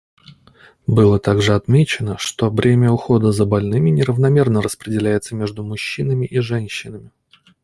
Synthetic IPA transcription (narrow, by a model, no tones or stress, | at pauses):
bɨlˠət̪aɡʐɨɐt̪mʲet͡ɕɪnəʂt̪o̞vɾʲemʲɪəʊxo̞d̪əzəbɐlʲnɨmʲɪnʲɪɾəvnɐmʲe̞rnəɾəspɾʲɪdʲɪlʲæjɪt̪səmʲe̞ʐd̪ʊmʊɕːinəmʲɪʔiʐɛnʲɕːɪnəmʲɪ